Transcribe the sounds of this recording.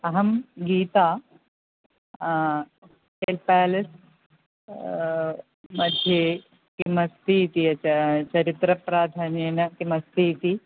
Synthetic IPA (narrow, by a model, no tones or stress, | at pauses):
ɐɦɐmɡiːt̪aː | helpaːlɐs | mɐd̪ʱje | kimɐst̪iːt̪iɐɐt͡ʃɐɾit̪ɾɐpɾaːd̪ʱaːnjenɐkimɐst̪ʰit̪i